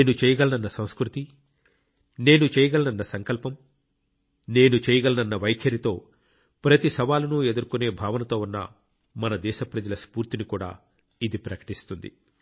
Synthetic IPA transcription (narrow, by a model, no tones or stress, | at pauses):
eːnut͡ʃɛːjɐɡɐlɐnɐnːɐsɐ̃w̃skɾut̪i | ne̞ːnut͡ʃɛːjɐɡɐlɐnɐnːɐsɐŋkɐlpɐm | ne̞ːnut͡ʃɛːjɐɡɐlɐnɐnːɐʋɐjkʰjɐɾit̪o̞ː | pɾɐt̪isɐʋaːlunued̪uɾkune̞ːbʱaːʋɐnɐt̪o̞ːunːɐ̰ | mɐnɐd̪ɛːʃɐpɾɐd͡ʒɐlɐspuːɾt̪inikuːɽa̰ː | id̪ipɾɐkɐ̥ʈist̪und̪ḭ